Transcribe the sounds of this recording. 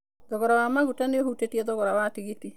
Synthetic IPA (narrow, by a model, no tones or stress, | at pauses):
dɔβɔɾawamaɣutaneoɦutetiɛðɔɣɔɾawatiɣiti